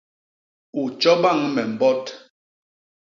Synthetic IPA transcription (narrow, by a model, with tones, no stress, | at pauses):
u˨t͡ʃɔ˦ba˦˨ŋmɛ˨m̩˨bɔ˦t